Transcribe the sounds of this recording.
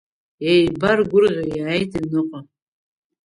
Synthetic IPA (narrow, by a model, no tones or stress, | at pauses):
ejbarɡʷʊrʁʲajaːjtʰʼinɨqʼa